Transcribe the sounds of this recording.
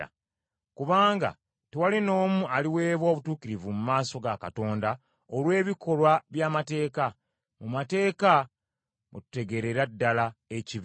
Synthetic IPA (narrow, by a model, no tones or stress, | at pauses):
a̰ | kuβaːŋɡa̰ | tewalino̞ːmualiwe̞ːβwo̞ːβutuːkiɾivumumaːso̞ɡaka̰to̞ːnda | olwe̞ːβikʰo̞lwaβjaːmate̞ːka | mumate̞ːka | mutu̥te̞ɡe̞ɾe̞ɾadːalaeciβ